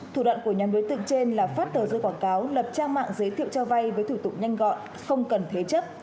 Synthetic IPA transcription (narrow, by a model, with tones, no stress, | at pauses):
t̪ʰu˧˩ɗwa̰ː˧˨nku˧˩əɲaː˨˦mɗo˨˦jt̪ɨ̰˧˨ŋt͡ɕe˧nlaː˨˩faː˦˥t̚t̪əː˨˩zəː˧˩jkwaː˧˩nkaː˨˦wlə˨˩p̚t͡ɕaː˧ŋma̰ː˧˨ŋzəː˨˦jt̪ʰḭ˧˨əwt͡ɕɔ˧va˧jvəː˨˦jt̪ʰu˧˩t̪ʊ˨˧˩k͡p̚ɲa˧jŋ̟ɣɔ̰˧˨n | xə˧wŋ͡mkə˨˩nt̪ʰe˨˦t͡ɕə˦˥p̚